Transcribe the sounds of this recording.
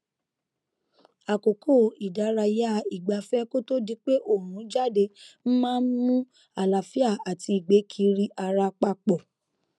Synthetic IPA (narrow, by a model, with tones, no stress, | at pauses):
a˨ko˨kʰo˦˨i˨da˨˦ɾa˧ja˦˨i˨ɡ͡ba˨fɛ˦ko˦to˦di˧k͡pe˦ʔo˦˨ũ˨˦d͡ʒa˦˨de˧m̩˦mãː˦n̩˦mũ˦ | a˨la˨fi˦a˦˨a˨ti˧i˨ɡ͡be˨˦kʰi˧˦ɾi˦ʔa˧ɾa˧k͡pa˧k͡pɔ˨